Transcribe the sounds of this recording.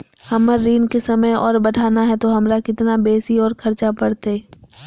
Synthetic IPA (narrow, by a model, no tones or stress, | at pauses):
hɐməɾːiːnkesɐməjɔ̰ːɾbɐʈʰaːnaɦɛt̪oɦɐmɾakɪt̪nabeːsiɔːɾkʰɐɾt͡ʃapɐɽt̪eː